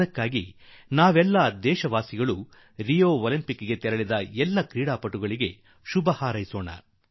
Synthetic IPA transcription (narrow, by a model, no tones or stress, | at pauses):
ɐkːaːɡḭnaːʋɛlːad̪ɛːʃɐʋaːsiɡɐɭu | ɾijoːolimpikːɡe̞t̪ɛɾɐɭid̪ɐɛlːɐkɾiːɽaːpɐʈːuɡɐɭiɡe̞ | ʃubɐhaːɾɐjsoːnɐ̰